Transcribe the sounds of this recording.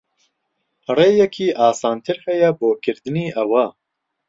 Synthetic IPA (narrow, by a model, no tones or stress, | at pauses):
reːjɛkʰiːʔɑːsɑːnt̪ʰɨɾhɛjɛboːkʰɪɾd̪ɨniːʔɐwa